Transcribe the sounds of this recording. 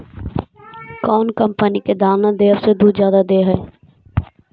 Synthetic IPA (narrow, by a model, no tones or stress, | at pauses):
kɔːnkə̃mpəniked̪aːnad̪eːʋsed̪uːd̪zjaːd̪ad̪eːɦɛː